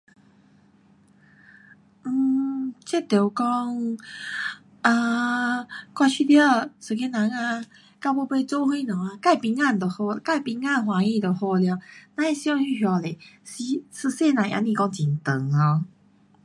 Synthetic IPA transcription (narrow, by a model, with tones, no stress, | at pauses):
n̩˧˩t͡ɕe˥˦t̪e˨˩kɔ˦ŋ | a˧˩ | kwa˧t͡ɕʰi˥˧d̪jə˥˧˩sɨ˨˧˩ke˧˥nã˨˧˦ŋa˧ | ka˧po˧˦pe˥˧t͡sɔ˦ɦwe˥˦nɔ̃˨˩a˧ka˥˨jpi˧ŋa˥˧˨n˨d̪o˨˩hɔ˧ka˥˩˨pi˧ŋã˥˧˨nɦwã˨˧˦ĩ˥˧t̪o˨˩hɔ˧lja˧nã˧e˦ɕi˧ɔ˧ŋɕy˥˧ɦjɔ˨˧˩le˨˩si˧sɨ˧se˥˧nã˨˩ʔa̰˧˦nĩ˧kɔ˧ŋt͡ɕi˨˩nt̪ə˨˩ŋa˧